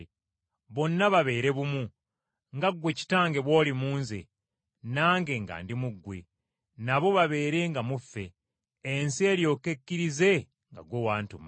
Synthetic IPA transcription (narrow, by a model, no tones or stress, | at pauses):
βo̞nːaβaβe̞ːɾe̞βumu | ŋɡaɡwe̞ci̥taːŋɡe̞βwo̞ːlimuːnze̞̰ | naːŋɡe̞ŋɡa̰ːndimuɡːwe̞̰ | naβo̞βaβe̞ːɾe̞ŋɡamufːe̞ː | nsie̞ːljo̞ːke̞kːiɾize̞ | ŋɡa̰ɡwowaːntuma